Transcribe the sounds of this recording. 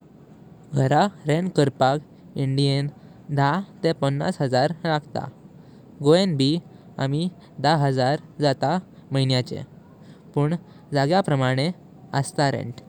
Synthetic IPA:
ɡʱəɾaɾenkəɾpak | iɳɖien | d̪ʱat̪ẽpənːa̰sɦəd͡zaɾlaɡt̪a̰ | ɡoenbʱi | a̰mi | d̪aɦəd͡zaɾd͡zat̪aməinjat͡ɕḛ | pəːɳ | d͡zaɡjapɾəmaɽ̃e | əst̪aɾḛ̃ɳʈ

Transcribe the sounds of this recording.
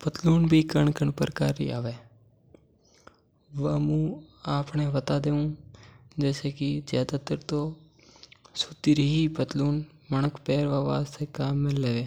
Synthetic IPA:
pət̪luːnbʱiːkəɳkəɳpə̰ɾkaːɾḭːa̰ːʋeː | ʋaːmũːaːpɳẽːʋət̪aːd̪eːũːd͡ʒɛːseːkɪzjaːd̪aːt̪əɾt̪oː | sʊt̪iɾiːipət̪luːn | mənəkpɛːɾʋaːʋaːst̪ekaːmːɪlːeːʋeː

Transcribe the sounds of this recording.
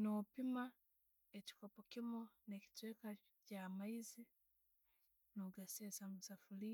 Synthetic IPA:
nopima | eci̥kopokimoneci̥tweka | camaizi | noɡasesamusafuli

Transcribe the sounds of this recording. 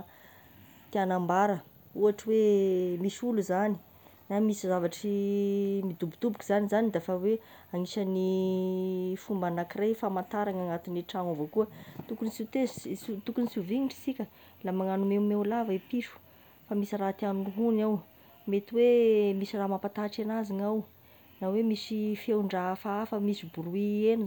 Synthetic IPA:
t̪ianambaɾə | uaʈ͡ʂiwemisuluzani̥ | namisizavaʈ͡ʂi | mid̪ubud̪̥ubukuz̥anizanid̪afawe | aŋiʃəni | fumbanakirejfamant̪aɾaŋaŋat̪iniʈ͡ʂaŋovokuət̪ukunisit̪ezsut̪ukunisiviŋiɳʈ͡ʂi̥sikʲə | lamaŋanumemewlavaipiʂu̥ | famisirat̪iaminuɦunaw | met̪iwemisiramapat̪aʈ͡ʂanaziŋaw | nawemisifewɳɖ͡ʐafaafəmisibuɾuienu

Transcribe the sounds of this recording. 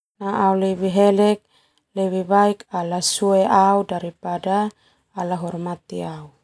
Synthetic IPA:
naʔaulɛwiɦɛlɛk̚ | lɛwiβaikalasuɛʔaudaɾipadaː | laɦɔrmat̪iau

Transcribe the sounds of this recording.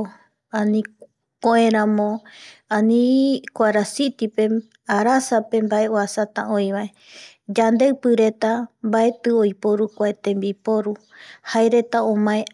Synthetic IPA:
ãnĩ | koẽɾãmõãnĩkʷaɾasit̪ipe̞ | aɾasape̞mbae̞oasat̪ã̰õjβae | d͡ʒand̪e̞ɨpɨɾe̞t̪ambae̞t̪ɨojpoɾukʷaet̪ẽ̞mbipo̞ɾu | haeɾe̞t̪aõmãẽ

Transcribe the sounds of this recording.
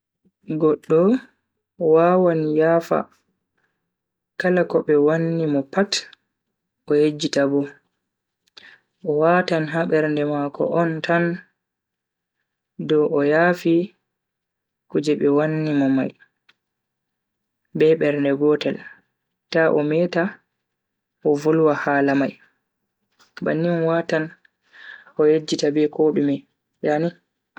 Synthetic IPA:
ɡɔɗːɔ | wawanijaːfa̰ | kalakɔɓɛwanːimɔpat | ɔjed͡ʒːitabɔ | ʔɔwatanɦaɓɛɾndɛmakɔ̰ʔɔntʰan | dɔʔɔjaːfi | kud͡ʒɛɓɛwanːimɔmaj | bɛɓɛɾndɛɡɔtɛl | taʔɔ̰mɛta | ʔɔvulwahaːlamaj | ba̰nːimɔwatan | ʔɔjed͡ʒːitabɛkʰoːɗumɛ | jani

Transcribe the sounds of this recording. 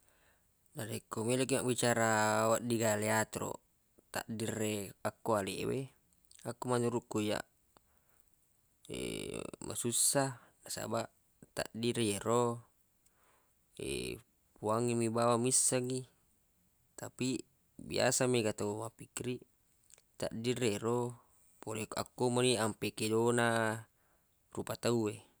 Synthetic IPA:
naɾekːomelek̬imaʔbit͡ʃaɾawaʔdiɡaleat̪ɾo̰ | t̪a̰ʔdirːeakːoalḛwe | akːumanuɾuʔkuja̰ | ḛmʔa̰susːanasa̰baʔ | t̪a̰ʔdiɾejeɾo | ḛ | puaŋimibawamisːaŋi | t̪api | bḭa̰sameɡat̪aumapikiɾi | t̪a̰ʔdireɾo | poleka̰kːomaniampekedona | rupat̪aue

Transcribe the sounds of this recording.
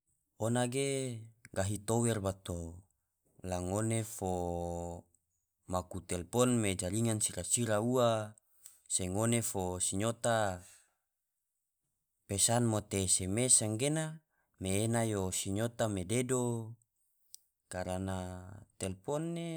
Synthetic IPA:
onaɡeɡaɦit̪owɛrbat̪o | laŋonefo | makut̪ɛlpɔnmed͡ʒaliŋansiɾasiɾaua | seŋonefosiɲot̪a | pesanmot̪esemesaŋɡena | meːnajosiɲot̪amededo | kaɾanat̪ɛlpɔnːe

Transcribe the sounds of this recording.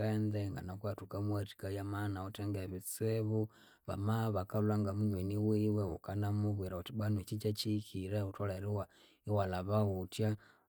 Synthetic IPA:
andeŋɡa̰nakwatukamwati̥kajamanautɛŋɡeβit͡seβu | βa̰maβakalwaŋɡamunwiniwiweukanamuβwiɾautibwanwet͡ʃit͡ʃat͡ʃikiɾautolaiɾiwa | iwalaβautja

